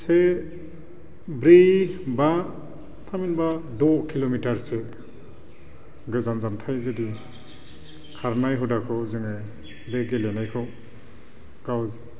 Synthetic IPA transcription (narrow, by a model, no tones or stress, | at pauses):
se | bɾeba | tʰaminbadɔkʰilomitaɾse | ɡɯzanzantʰajzɯdi | kʰaɾnajɦudakʰɔwzɯŋɯ | beɡelenajkʰɔw | ɡ̥aw